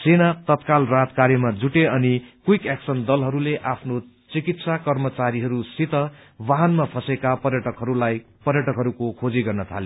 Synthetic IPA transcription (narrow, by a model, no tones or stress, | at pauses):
senat̪ʌt̪kalrat̪kaɾjemad͡zuʈeʌnikijkeksʌnd̪ʌlɦʌɾuleʔapʰno | t͡sikit̪sakʌrmʌt͡saɾiɦʌɾusit̪ʌwaɦʌnmapʰʌsekapʌrjʌʈʌkɦʌɾulaj | pʌrjʌʈʌkɦʌɾukokʰod͡ziɡʌrnʌt̪ʰa̰le